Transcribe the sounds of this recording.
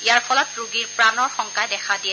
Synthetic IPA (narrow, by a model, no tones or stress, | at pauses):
ijaɹpɔlɔtɹuɡiɹpɹanɔɹxɔŋkajdɛkʰadijɛ